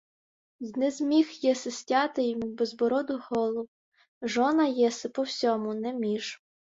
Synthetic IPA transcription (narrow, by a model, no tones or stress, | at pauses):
znɛzmʲixjɛsɪsʲtʲɑt̪ɪjɔmubɛzbɔɾɔd̪ʊɦɔlˠɔwʊ | ʒɔnɐjɛsɪpɔwsʲɔmʊnɛmʲiʒ